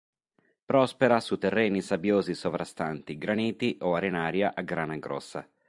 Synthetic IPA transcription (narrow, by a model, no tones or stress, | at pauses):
pɾɔspeɾasut̪ːɛrːeːnisabjoːzisovɾʔast̪ant̪iɡɾaniːt̪iʔoaɾenaːɾjaʔaɡɾaːnaɡɾɔ̰sːa̰